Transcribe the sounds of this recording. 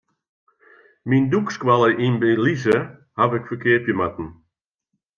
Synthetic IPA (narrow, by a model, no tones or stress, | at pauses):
mindukskwalˠəʔinbəlizə | havɪkfəkɪəpjəmatn̩